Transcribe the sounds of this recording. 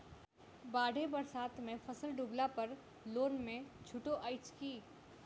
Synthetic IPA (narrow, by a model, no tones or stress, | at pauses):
baːɽʱebɐɾsaːt̪mẽfʰɐsəlɖublapɐɾ | loːnmẽt͡ʃʰʊʈoʔaːɪt͡ʃkiː